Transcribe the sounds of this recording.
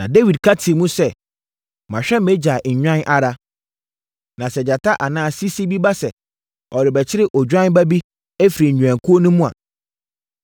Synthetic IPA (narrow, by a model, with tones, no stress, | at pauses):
nã˨de˦wi˨d̚kʰa˦tʰi˨mũ˦sɛ˦ | mã˨ɕᶣɛ˦m̩˦me˦d͡ʑa˨ɲᶣã˦nʔa˨ɾa˦ | nã˨sɛ˨d͡ʑa˨tʰa˦ʔa˨nãː˦˨si˦si˦bi˦ba˦sɛ˨ | ɔ˨ɾɪ˨bɛ˨t͡ɕʰɪ˦ɾɪ˦ʔɔ˨d͡ʑᶣã˦n˦bæ˦bi˦ | e˦fi˨ɾi˨ɲ̩˨ɲᶣũ˨ã˨ŋkʰu˦o˦nũ˦mũ˦a̰˨